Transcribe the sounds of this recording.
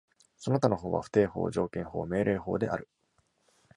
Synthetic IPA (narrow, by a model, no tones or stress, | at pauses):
sonot̪ano̞ɦo̞ːβa̰ɸɯ̥t̪e̞ːho̞̰ːʑo̞ːkẽɰ̃ho̞̰ːme̞ːɾʔe̞ːɦo̞ːd̪e̞ʔa̰ɾɯ̟